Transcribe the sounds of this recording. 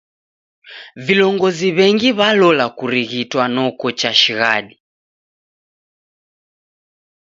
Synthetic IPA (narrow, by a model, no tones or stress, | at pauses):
vilɔŋɡɔziβɛŋɡiβalɔlakuɾiɣitwanɔkɔt͡ʃaʃiɣaɗi